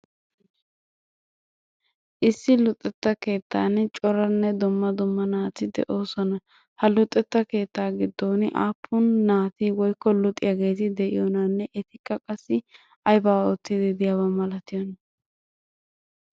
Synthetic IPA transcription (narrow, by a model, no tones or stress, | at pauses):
ʔɪsːɪlʊt̪ʼːɛt̪ːɐke̞ːt̪ːaːnt͡ʃʼɔɾɐnːɛd̪ʊmːɐd̪ʊmːɐnaːt̪ɪd̪ɛ̰ʔo̞ːsɔnɐ | hɐlʊt̪ʼːɛt̪ːɐke̞ːt̪ːaːɡɪd̪ːoːnɪʔa̰ːpʰːʊnːaːt̪ɪwɔjkːɔlʊt̪ʼːɪ̰jaɡe̞ːt̪ɪd̪ɛʔɪjɔnɐnːɛʔɛt̪ɪkːɐkʼɐsːɪ | ɐjbaːot̪ːɪd̪ɪd̪ɪjawɐmɐlɐt̪ɪjɔnɐ